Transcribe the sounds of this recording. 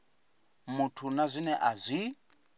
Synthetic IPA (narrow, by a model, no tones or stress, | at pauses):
mutʰunazʷinɛʔazʷi